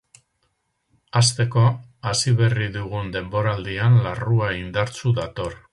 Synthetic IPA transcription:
ast̪e̞ko̞ | asiβe̞riðuɣ̞und̪e̞mbo̞ɾald̪ianlaruaind̪aɾt͡suðat̪o̞ɾ

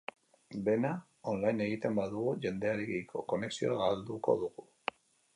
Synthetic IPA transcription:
be̞na | o̞nlajne̞ɣit̪e̞mbaðuɣuʝe̞nd̪e̞aɾeɣikʰo̞̰ko̞ne̞ksio̞aɣald̪uko̞̰ðuɣu

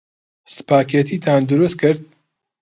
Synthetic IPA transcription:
sɨ̥paːkʰet̪ʰiːt̪ʰaːnd̪ʊɾust̪̚kʰɨɾd̪̚

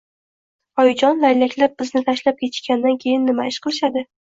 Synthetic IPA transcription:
ɒjd͡ʒɒnlajlakʲlap̚bɪznɪt̪ʰaʃlap̚kʲʰe̞t̪ʰɪ̥ʃkʲand̪ankʲʰe̞jɪnːɪmaɪʃqʰɨlˠɪʃad̪ɪ

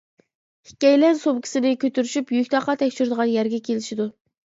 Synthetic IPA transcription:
hi̥kʲɛjlænsobkʲʰi̥sɪnɪkʲʰøt̪ʰyɾyʃypjykʲt̪ʰɑqːɑt̪ʰɛkʲt͡ʃʰyɾd̪əʁɑnjæɾɡʲɛkʲʰelɪʃid̪u

